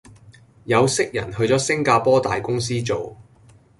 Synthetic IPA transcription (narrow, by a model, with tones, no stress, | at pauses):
jɐ˨˧wsɪ˥k̚jɐ̰˨˩nɦɵ˧ɥt͡sɔː˨˥sɪ˥ŋkaː˧pɔː˥t̪a̰ː˨jkʊ˥ŋsiː˥t͡so˨w